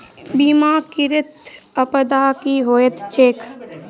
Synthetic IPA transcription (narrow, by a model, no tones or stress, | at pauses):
biːmaːkɪɾɪt̪əpəd̪aːkiɦoːet̪t͡ʃʰeːkʰ